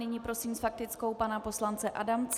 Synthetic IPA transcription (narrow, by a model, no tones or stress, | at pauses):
ɪɲipɾo̞simsfak̚t̪ɪt͡sko̞wpanapo̞slant͡sɛʔadamt͡s